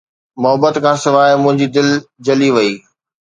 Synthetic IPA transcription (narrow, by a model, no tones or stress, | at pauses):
mʊɦəbət̪kʰãːsɪʋaːɪmʊ̃ɦɪ̃ɲd͡ʑid̪ɪld͡ʑɐliʋɐiː